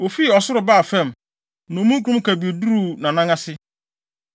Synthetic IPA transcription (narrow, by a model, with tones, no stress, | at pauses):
o˨fi˦˨ɔ˨sʊ˦ɾʊ˨baː˦˨fɛ̃˦˨m | nʊ̃˨mũ˦kʰu˨ɾũ˦m˦kʰæ˨bi˨e˨du˦ɾu˨nã˨nã˦ŋã˦sɪ˦